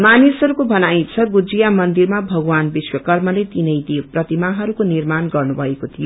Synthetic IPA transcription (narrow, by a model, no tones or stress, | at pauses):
manisʌɾukobʱʌnajt͡sʰʌɡud͡zijamʌnd̪iɾmabʱʌɡwanbiswʌkʌrmʌlet̪inʌjd̪iprʌt̪imaɦʌɾukonirmanɡʌrnubʱʌekot̪ʰijo